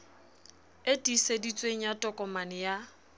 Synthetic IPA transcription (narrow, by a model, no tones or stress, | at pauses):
etʼisedit͡sʼweŋ̩jatʼɔkʼɔmanɪja